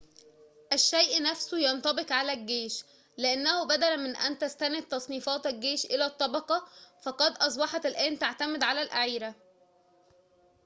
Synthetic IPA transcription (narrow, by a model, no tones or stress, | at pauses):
ʔæʃːæjʔnæfsujɑnt̪ˤɑbeqʕalæɡeːʃ | leʔenːæhʊbæd̪ælmɪnʔæ̰nt̪æst̪ænet̪ːɑsˤniːfɑːt̪æɡːeːʃʔelæːt̪ˤːɑbɑqɑfɑqɑd̪ʔɑs̬ˤbɑħɑt̪elʔæːnt̪aʕt̪æmɪd̪ʕalælʔaʕiːɾæ